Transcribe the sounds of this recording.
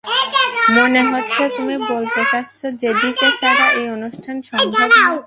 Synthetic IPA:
meneɦotːɕʰet̪umibolt̪et͡ɕast͡ɕʰod͡ʑed̪ikeʃaɾaʔeonuʃʈʰanʃɔŋbʱaa

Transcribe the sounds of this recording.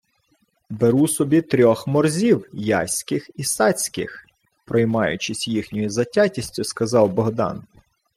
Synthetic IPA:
beɾusɔbʲit̪ɾʲɔxmɔrzʲiwjɑ̰sʲkɪxisɑt͡sʲkɪ̰x | pɾɔjmɑjʊ̰t͡ʃɪsʲjixnʲɔjizɐtʲatʲisʲtʲʊskɐzɑwbɔɦd̪ɑ̰n

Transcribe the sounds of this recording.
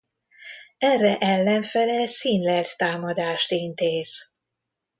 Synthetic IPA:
ɛrːɛʔɛlːɛɱfɛlɛsiːnlɛlt̪ːaːmɒd̪aːʃt̪int̪eːz̥

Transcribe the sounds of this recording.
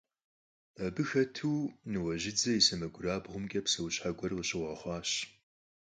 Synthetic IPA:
ɐbɨxɐtʰuːnɨwɐʑɪd͡zɐjsɐmɐɡʷʊɾaːbʁʷʊmkʲʼɐpsɐwɕħaɡʷɔrwʊɕʼɪʁʷɐχʷɑːɕ

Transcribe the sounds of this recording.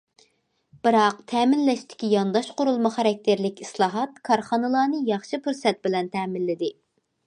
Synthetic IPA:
b̥ɨɾɑqt̪ʰɛːmɪnlɛʃt̪ʰɪ̥kʲijɑnd̪ɑʃqʰoɾulˠmɑχɑɾɛk̚ʲt̪ʰɪɾlɪkʲislˠɑːɦɑt̪kʰɑɾχɑnɨlˠɑːnɨjɑχʃipʰuɾsɛt̪̚bɪlɛnt̪ʰɛːmɪlːɪd̪ɪ

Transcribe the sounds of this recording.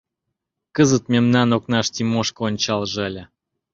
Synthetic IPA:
kəzət̪mʲemnɑnoknɑʃt̪ʲimoʃkəonʲt͡ɕɑlˠʒəlʲə̆

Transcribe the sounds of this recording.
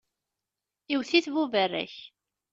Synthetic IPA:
iwθiθvuvərːæ̰ç

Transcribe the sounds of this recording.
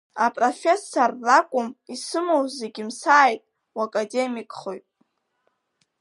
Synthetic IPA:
apʼro̞fʲesorːakʷʼʊmisɨmowzeɡʲimsaːjtʼ | wakʼade̞mikʼχo̞jtʼ

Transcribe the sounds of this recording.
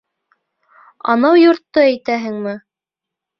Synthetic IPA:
ɑ̰nɑwjŏɾt̪ːɤæjt̪æɦɘŋmɘ

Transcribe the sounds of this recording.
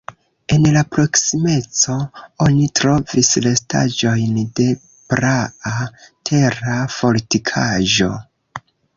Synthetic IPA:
e̞nlapɾo̞ksime̞t͡so̞o̞nitɾo̞vislesta̰d͡ʒo̞jnde̞ | pɾaatʰe̞ɾafo̞litikʰaʒo̞̰

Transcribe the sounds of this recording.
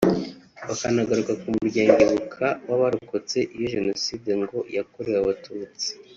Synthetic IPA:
βakanaɡaɾukakumuɾɟaːɲɡeβukʰawaβaɾokot͡se̞ʔijoʒe̞no̞siːdeŋɡo̞jakoɾewaβatuːt͡si̥

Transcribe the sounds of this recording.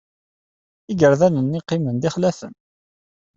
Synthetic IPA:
iɡəɾðænənːiqːɪmənðɪχlæθə̰n

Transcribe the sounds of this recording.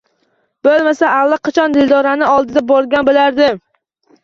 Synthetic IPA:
b̥olˠmasaːlːaqʰɑt͡ʃʰɒnd̪ɪld̪ɒɾanɪɒlˠd̪ɪd̪abɒɾɡʲanbɪlaɾd̪ɪm

